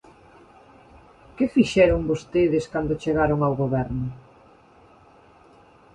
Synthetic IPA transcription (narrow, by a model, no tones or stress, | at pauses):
kɪfiʃɛɾʊŋbost̪eðɪskand̪ʊt͡ʃeɣaɾoŋawɣoβɛɾnʊ